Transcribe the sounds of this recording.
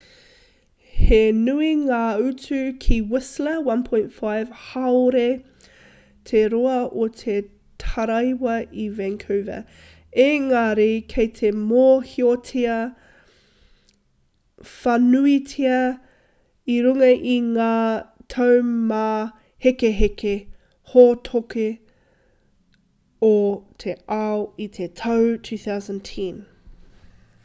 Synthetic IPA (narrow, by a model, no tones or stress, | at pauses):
henuiŋaːʉt͡sʉkʰiwɪsləwɐ̃npʰõj̃ntfajv̥hawɾe | tʰeɾoɐʔotʰe | tʰɐɾɐjwɐivɛŋkʰuwvɐ̰ | eŋaːɾekʰejtʰemohiotʰiɐ | fɐnuitʰiɐ | iɾuŋɐʔiŋaːtʰɐwmaː | hekeɦeke | hotʰoke | otʰeʔawitʰetʰɐwtʰʉːθawzə̃ntʰĩn